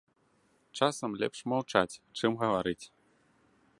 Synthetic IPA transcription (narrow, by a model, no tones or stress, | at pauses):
t͡ʂasɐmlʲɛ̰pʂmawt͡ʂat͡sʲt͡ʂɨmɣɐvaɾɨt͡sʲ